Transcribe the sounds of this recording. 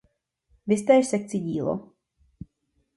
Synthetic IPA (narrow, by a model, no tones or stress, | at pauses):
vɪst̪ɛːʃsɛk̚t͡sɪɟiːlo̰